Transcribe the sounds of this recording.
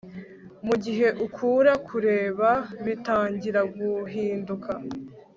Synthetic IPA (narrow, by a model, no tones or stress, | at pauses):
muɟiɦe̞ʔukʰuːɾakʰuɾe̞ːβaβitaːɲɟiɾaɡuɦiːndukʰa